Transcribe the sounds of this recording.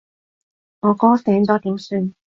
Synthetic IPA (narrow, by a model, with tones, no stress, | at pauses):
ŋɔː˨˧kɔː˥sɛː˨˥ŋ̩˨t̪ɔː˥t̪iː˨˥msyː˧n